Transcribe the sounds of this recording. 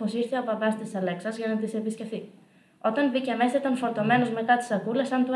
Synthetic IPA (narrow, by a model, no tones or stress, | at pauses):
osiɾθeopɐbɐst̪isɐle̞ksɐzʝɐnɐt̪ise̞pisce̞fθi | o̞t̪ɐnbiceɐmesit̪ɐnfo̞ɾt̪o̞me̞no̞zme̞t̪ɐt̪i̥sɐkulesɐnt̪u